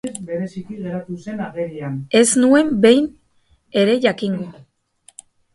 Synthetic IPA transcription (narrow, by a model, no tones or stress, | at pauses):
be̞ɾe̞sikiɣe̞ɾat̪use̞naɣeɾiane̞znue̞mbe̞jn | e̞ɾe̞ʝakiŋɡo